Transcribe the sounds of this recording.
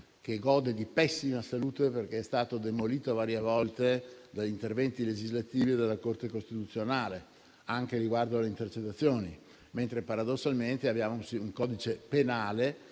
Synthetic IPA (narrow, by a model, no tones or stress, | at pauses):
k̟eɡɔːd̪ed̪ipɛsːimasaluːt̪eperk̟eɛst̪aːt̪od̪emoliːt̪ovaːɾjevɔlt̪ed̪aʎint̪ervɛnt̪iled͡ʒizlat̪iːvied̪elːakort̪ekost̪it̪ut̪sːjonaːle | aŋkeɾiɡward̪oaleint̪ert͡ʃet̪ːat̪sːjoːni | ment̪ɾepaɾad̪osːalment̪eabjaːmousiuŋkɔd̪it͡ʃepenaːle